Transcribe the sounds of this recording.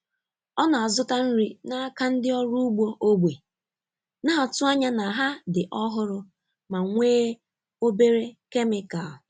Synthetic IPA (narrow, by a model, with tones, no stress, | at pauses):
ɔ˦na˨a˨zʊ˦ta˦n̩˦ɾi˦na˦ka˦n̩˦dɪ˦ɔ˦ɾu˦u˦ɡ͡bo˦ʔo˦ɡ͡bʷe˨ | na˦a˨tʊ˦a˦ɲa˦na˨ɦa˦dɪ˨ʔɔ˦ɦʊ˦ɾʊ˦ | ma˨ŋʷeː˦ | o˦be˦ɾe˦ke˦mɪ˦ka˨ʊ˨